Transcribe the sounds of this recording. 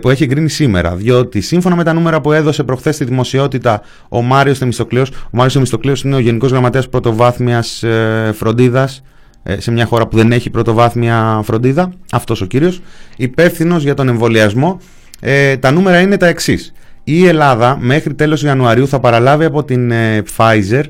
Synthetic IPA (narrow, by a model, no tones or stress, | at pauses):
pue̞çieŋɡɾinisime̞̰ɾɐ̰ðjo̞t̪isiɱfo̞nɐme̞t̪ɐnume̞ɾɐpue̞ðo̞se̞pɾo̞xθe̞st̪iðimo̞sio̞t̪it̪ɐ | o̞mɐɾiost̪emist̪o̞klio̞somɐɾiosθemist̪o̞klio̞sine̞o̞ʝe̞niko̞zɣɾɐmɐt̪e̞ɐspɾo̞t̪o̞vɐθmiɐsfɾo̞nd̪iðɐs | se̞mɲɐxo̞ɾɐpuðe̞ne̞çipɾo̞t̪o̞vɐθmiɐfɾond̪iðɐɐft̪o̞so̞ciɾio̞sipe̞fθino̞zʝɐt̪o̞ne̞ɱvo̞liɐzmo̞ | t̪ɐnume̞ɾɐine̞t̪ɐe̞ksis | ie̞lɐðɐme̞xɾit̪e̞lo̞siɐnuɐɾiuθɐpɐɾɐlɐviɐpo̞t̪inefɐjze̞ɾ